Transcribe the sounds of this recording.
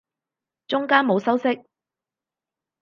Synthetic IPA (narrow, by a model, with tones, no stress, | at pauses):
t͡ʃʊ˥ŋkaː˥nmo˨˧wsɐ˥wsɪ˥k̚